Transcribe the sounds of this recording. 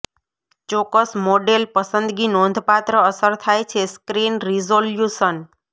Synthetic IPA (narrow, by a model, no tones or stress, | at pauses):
t͡ʃɔkəsmoɖelpəsənd̪ɡinõnd̪ʱpat̪ɾəəsəɾt̪ʰajt͡ʃʰeskɾinɾizoljuʃən